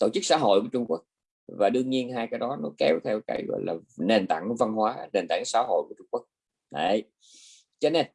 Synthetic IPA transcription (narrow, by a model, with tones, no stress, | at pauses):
t̪o̰˧˩t͡ɕɨ˦˥k̚sa̰ː˧˦ɦo̰˧˨jku˧˩ət͡ɕʊ˧ŋ͡mku˦˥ək̚ | vaː˨˩ɗɨ˧əŋɲi˧ənɦaː˧jkaː˨˦jɗɔ˨˦nɔ˨˦kɛ˨˦wt̪ʰɛ˧wka̰ː˧˦jɣɔ̰˧˨jlaː˨˩ne˨˩nt̪a̰˧˩ŋva˧nhwaː˨˦ne˨˩nt̪a˧˩ŋsa̰ː˧˥˦ɦo̰˧˨jku˧˩ət͡ɕʊ˧ŋ͡mku˦˥ək̚ | ɗə˧˩j | t͡ɕɔ˧ne˧n